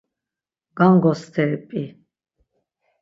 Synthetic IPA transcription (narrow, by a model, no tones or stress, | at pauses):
ɡ̥aŋɡɔst̪ʰɛːpʼi